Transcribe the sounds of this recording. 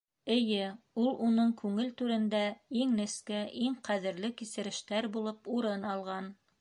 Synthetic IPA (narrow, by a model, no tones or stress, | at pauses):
ɘ̆jɘ | ulˠunɤɴkʉŋɘlt̪ʉɾɘ̆nd̪æiŋnɘ̆skæʔiŋqæðɘ̆ɾlɘkisɘ̆ɾɘ̆ʃt̪æɾbulˠɤpuɾɤnɑlˠʁɑn